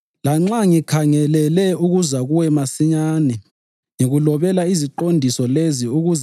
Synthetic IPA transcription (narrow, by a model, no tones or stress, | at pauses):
laŋ͡ǁaŋikʰaŋɛlɛlɛuɣuzaɣuwɛmasiɲaːnɛ | ŋiɣulɔβɛlaiziǃondʱisɔleziuɣuz